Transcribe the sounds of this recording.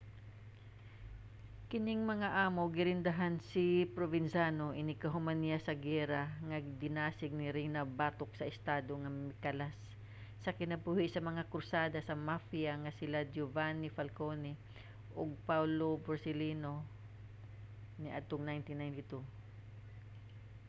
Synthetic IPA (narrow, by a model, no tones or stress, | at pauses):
kɪnɪŋmɐŋaʔaːmoɡɪɾɪnd̪ɐɦansipɾovɪnsanoʔɪnɪkɐɦʊmanɪjasɐɡɛɾaŋɐɡd̪ɪnaːsɪɡ̚nɪɾɪŋnɐbaːt̪ok̚sɐʔɪst̪aːd̪oŋɐmɪkalasː | ɐkɪnɐbuhɪʔsɐmɐŋakʊɾsaːd̪ɐsɐmafiaŋɐsɪlad͡ʒʊvanɪfɐlkonɪ | ʔoɡ̚pawloboɾsɪliːno | nɪʔad̪̚t̪oŋnajnt̪inːajnt̪ɪt̪u